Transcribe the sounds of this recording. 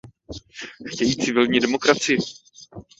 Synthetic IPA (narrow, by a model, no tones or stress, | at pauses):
xcɛjiːt͡sɪvɪlɲiːdɛmo̞kɾat͡sɪjɪ